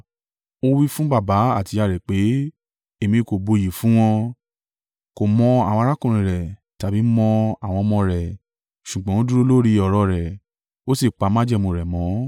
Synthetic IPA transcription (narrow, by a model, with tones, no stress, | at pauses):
o˧wi˦fũ˦ba˦˨ba˨˦a˦˨ti˨˧˦a˧˨ɾɛ˨k͡pe˨˦ | e˨mĩ˧ko˨bo˧ji˨fũ˦w̃ɔ̃˧ | ko˨mɔ̃˧a˨wɔ̃˧ɾa˦kũ˦˨ɾ̃ĩ˨ɾɛ˨ | ta˨bi˨˦mɔ̃˧a˨w̃ɔ̃˧mɔ̃˧ɾɛ˨ | ʃu˨ɡ͡bɔ̃˦õ˦du˦ɾo˦lo˦ɾi˧ɔ˨ɾɔ˧ɾɛ˨ | o˦si˦˨k͡pa˨˦mã˦d͡ʒɛ˦˨mõ˨˧˨ɾɛ˨mɔ̃˨˦